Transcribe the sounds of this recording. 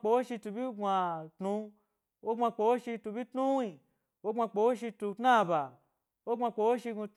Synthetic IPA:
k͡po˨˦ʃi˧tu˧bi˦ɡʷã˧tnũ˧˦ | wʔo˦ã˧k͡po˨˦ʃi˧tu˧bi˦tnũ˦wi˧˨ | wo˦ɡʷa˧k͡po˨˦ʃi˧tu˧tnã˦˨ba˨ | wo˦ɡʷa˧k͡po˨˦ʃi˧ɡu˧

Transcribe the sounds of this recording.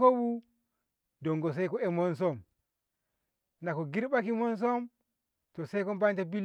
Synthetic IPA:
ko˦wu˦ | dɔ˨ŋɡɔ˨s̬a˦jkɔɛmɔ˦nsɔ˦m | na˨kɔ˨ɡi˦ɾɓa˦kimɔ˦ns̬ɔ˦m | tɔ˨sa˦jkɔ˦mba˦nta˨bi˦l

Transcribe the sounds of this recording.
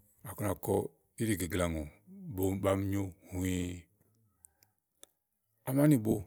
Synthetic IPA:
a˨ko˦n˨a˨kɔ˦ | i˦ɾi˨ɡi˨ɡla˨ŋo˨bo˨˦ba˦m˦ɲo˦hu˨i˦ | a˨ma˦ni˦˨bo˦

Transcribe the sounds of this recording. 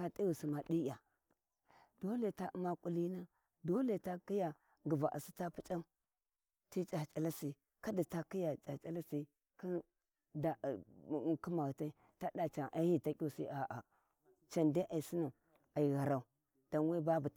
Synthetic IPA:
a˨tʼi˦wu˨si˨ma˨di˦ja˨ | d̥o˦le˨ta˦u˨ma˦kʷʼu˨li˦na˦ | do˦le˨ta˦ki˦ja˨ | ɡu˨va˨ʔa̰˨si̥˦ta˦pu˦t͡ʃʼa˦m | ti˦t͡ʃa˨t͡ʃʼa˨la˦si˨ | ka˦di˨ta˨ki˦ja˨t͡ʃa˨t͡ʃʼa˦la˦si˦ | ki˦ | da˨ki˦ma˨ɣa˨ta˦i˦ | ta˦da˨t͡ʃa˨ŋʔa˦ji˦˨ta˦kʲu˦˨si˦ʔa˨ʔa˨ | t͡ʃa˨nda˦ʔa˨i˨si˦na˨ | a˨i˨ɣa˨ɾa˨u˨˦ | d̥a˨nwe˦ba˦bu˨

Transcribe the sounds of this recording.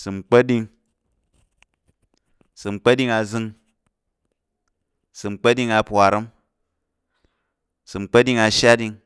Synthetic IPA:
sɨ˨ŋ͡m̩˨k͡pɐ˦di˧ŋ | sɨ˨ŋ͡m̩˨k͡pɐ˦di˦˧ŋa˧zɨ˧ŋ | sɨ˨ŋ͡m̩˨k͡pɐ˦di˧ŋa˧pʷa˨ɾɐ˦m | sɨ˨ŋ͡m̩˨k͡pɐ˦di˧ŋa˧ʃa˦di˧ŋ

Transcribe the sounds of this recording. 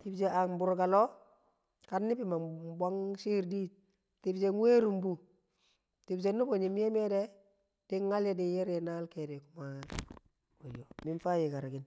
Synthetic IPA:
ti˨bd͡ʒe˨a˨mbu˨ɾɡa˨lo˦ | ka˨nːi˦bi˨ma˨ba˦ŋsi˦ɾdi˦ | ti˨bd͡ʒeŋwe˦ɾu˨mbu˦ | ti˨bd͡ʒe˨nːu˦bo˨ɲi˨m˦e˦me˦de˦ | d̥i˦ŋːa˦lje˦di˨je˦ɾe˨na˦lke˨de˨ku˦ma˨ | wo˨jo˨mi˦nfa˦je˨ka˨ɾɡi˨˦n

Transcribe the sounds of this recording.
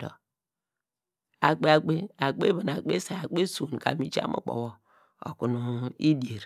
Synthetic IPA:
o̰˨ | a˨ɡ͡be˦a˨ɡ͡be˦a˨ɡ͡be˦bi˨n˨a˨ɡ͡be˦sa˨a˨ɡ͡be˦su˨n˨ka̰˨mi˦t͡ʃa̰˦mʔṵ˨k͡po̰˨wo˨ | o̰˨ku˨nu˨i˦di˨e˨ɾ

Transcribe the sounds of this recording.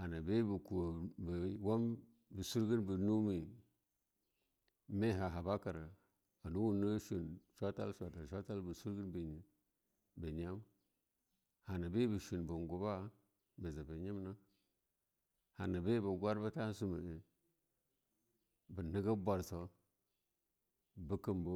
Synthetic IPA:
ha˨na˨be˦bə˨ku˨bə˨wa˦m | bə˨su˦ɾɡə˦nbə˨nu˦mi˨ | me˦ɦa˨ɦa˨ba˦ka˨ɾə˨ | a˨nu˦wu˦nə˦ʃu˨nʃʷa˦ta̰˦lʃʷa˨ta˨ʃʷa˦ta˦lbə˨su˦ɾɡə˦nbə˨ɲ˨ | bə˨ɲa˦m | ha˨na˨be˦bə˨ʃi˨nbə˨ŋɡu˨ba˦ | bə˨za˨bə˨ɲi˦mna˦ | ha˨na˨be˦bə˨ɡʷa˦ɾbə˦ta˦su˦mə̰˨e˨ | bə˨nə˦ɡə˦bʷa˨ɾso˦ | bə˦kə˨mbo˦

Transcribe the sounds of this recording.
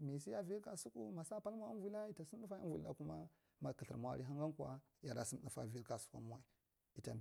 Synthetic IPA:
mi˨si˦ja˦vi˦ka˨su˦ku˦ma˨sa˦pa˦lmʷ˦a˦a˦vu˨˦la˦i˦ta˨si˦u˦fa˦ḭ˦nvṵ˨˦a̰˦ku˦ma˦ | ma˨kə˨ɬə̰˨m˨a̰˦˨ɾi˦ɦa˦ŋɡa˦nkʷa̰˦ | ja˨ɾa˨si˦m˦ɗu˨fa̰˨vi˦ɾka˨su̥˦kʷa̰˦mu˦wa˨i˨ | i˨ta˨

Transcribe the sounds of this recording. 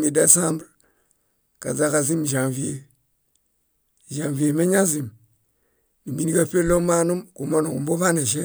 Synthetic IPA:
mi˨de˦sa˦mbɾ | ka̰˨za˦ka˨zi˦m˨ʃa˨vi˦je˨ | ʒa˨ŋvi˨je˨me˦ɲa˦zi˨m | ni˨mi˦ni˦ka˦pe˦lo˦ma˦nu˦mku˨ma˦nu˨ku˨mbo˦va˦ne˨ʃ̬e˦

